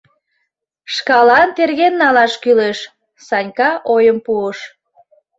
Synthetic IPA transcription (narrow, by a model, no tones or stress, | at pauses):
ʃkɑlɑnt̪erɣenːɑlɑʃkyleʃ | sɑnʲkɑʔojəmpuəʃ